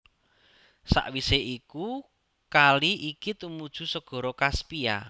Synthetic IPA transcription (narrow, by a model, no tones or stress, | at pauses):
sa̰ʔwiseʔiku | kaliʔikit̪umud̥ʒ̥ṳsəɡ̥ɔ̤ɾɔkaspia̰